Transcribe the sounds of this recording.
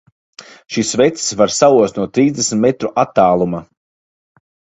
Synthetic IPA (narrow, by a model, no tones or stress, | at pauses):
ʃisvɛt̪ssvaɾsauɔst̪nuɔt̪ɾiːzd̪esm̩ʲt̪met̪ɾuʔat̪ːaːlˠuma